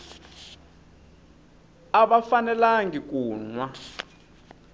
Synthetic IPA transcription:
aɓafanɛlaŋikuːnwa

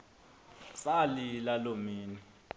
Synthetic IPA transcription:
salilalomiːnɛ

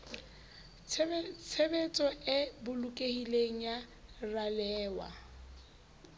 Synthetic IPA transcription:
t͡sʰebet͡sʼɔʔɪbʊlukʼehileŋ̩ja | ralɛːwa̰

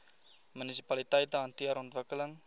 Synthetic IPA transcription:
mynisi̥pɐlitəjtəɦɐntiəɾɔntvəkələŋ

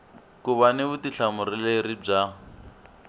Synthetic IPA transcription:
kuβanɪβutiɬamʊɾilerib͡ʐa

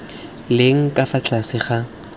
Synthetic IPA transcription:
lɪŋ̩kʼafat͡ɬʰʼasɪχa

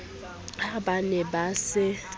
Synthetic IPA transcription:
abanɛbasɪ

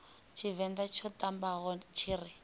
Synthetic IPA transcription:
t͡ʃʰivɛndat͡ʃʰɔtambaɣɔt͡ʃʰiːri

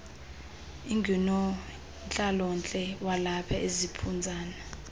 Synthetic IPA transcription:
iŋɡʱinɔ | nt͡ɬʼalɔnt͡ɬʼɛwalapʰaʔezipʰund͡zʱaːna

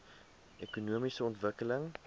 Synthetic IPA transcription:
ʔekunuəmisəɔntvəkələŋ

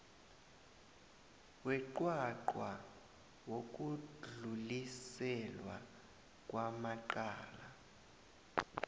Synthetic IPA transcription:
wɛǃwaǃwa | wok̬ʼuɮulisɛlwa̰ | k̬ʼwamaǃaːla

